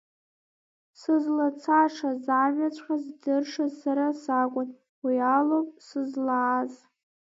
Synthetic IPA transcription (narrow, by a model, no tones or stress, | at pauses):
sɨzlat͡sʰaʂazaːmɥat͡ʃʷʼqazdɨrʂazsaɾasakʷʼʊn | wialopʼsɨzlaːz